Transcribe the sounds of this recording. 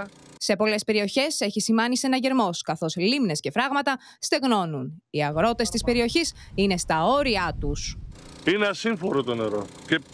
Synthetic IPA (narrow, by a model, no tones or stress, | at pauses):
se̞po̞le̞spe̞ɾio̞çe̞se̞çisimɐnise̞nɐʝe̞ɾmo̞skɐθo̞slimne̞sce̞fɾɐɣmɐt̪ɐ | st̪e̞ɣno̞nuniɐɣɾo̞t̪e̞st̪ispe̞ɾio̞çisine̞st̪ɐo̞ɾiɐt̪usineɐsiɱfo̞ɾot̪o̞ne̞ɾo̞ce